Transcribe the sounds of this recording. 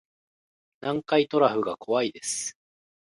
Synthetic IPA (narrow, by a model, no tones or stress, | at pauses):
nãŋkait̪o̞ɾaɸɯ̟ɡakʰo̞βaid̪e̞sɨ̥